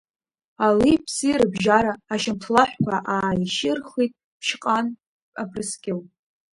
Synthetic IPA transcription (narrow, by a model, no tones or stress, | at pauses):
alipʰsirɨbʒaɾaːʃɪmtʰlaħʷkʷʰaʔaːjʃɪrχijtʼ | pʰʃqʼanʼ | a̰pʰrɨskʲʼɪlʼ